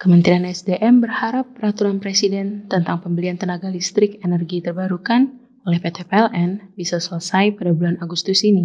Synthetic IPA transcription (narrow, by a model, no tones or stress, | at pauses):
kəmənt̪ɾianɛsdeʔɛmbərhaɾapːəɾat̪uɾanpɾesidɛnt̪ənt̪aŋpəmbəliant̪ənaɡalist̪ɾɪkenərɡit̪ərbaɾukan | olɛhpet̪epɛlʔɛnbisasələsajpadabulanaɡust̪ʊsini